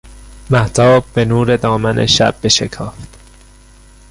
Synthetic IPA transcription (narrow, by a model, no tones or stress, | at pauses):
mæht̪ʰɒːb̚ːe̞nuːɾe̞d̪ɒːmænʔḛʃæ̰b̚ːeʃekʰɒːft̪